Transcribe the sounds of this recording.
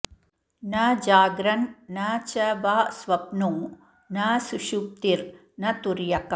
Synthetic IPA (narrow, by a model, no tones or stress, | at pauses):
nad͡ʒaːɡɾɐnːat͡ʃɐʋaːsʋɐpnuŋ | nasuʃup̚t̪iɾ | nɐt̪uɾjɐkɐ